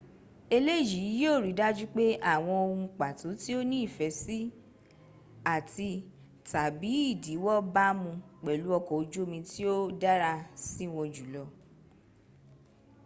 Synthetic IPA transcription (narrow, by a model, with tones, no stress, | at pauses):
e˧le˦˨ji˨˦jo˦˨ɾi˨˦da˦d͡ʒu˦k͡pe˦a˦˨w̃ɔ̃˧o˧hũ˧k͡pa˨to˨˦ti˦o˦nĩ˦i˦˨fɛ˨˦si˦ | a˦˨ti˧ | ta˨bi˨˦i˦˨di˨˦wɔ˦ba˦mũ˧k͡pɛ˨lu˨˦ɔ˧˨kɔ˨o˨˧d͡ʒo˦mĩ˧ti˦o˦da˦ɾa˧si˦˨w̃ɔ̃˧d͡ʒu˨lɔ˧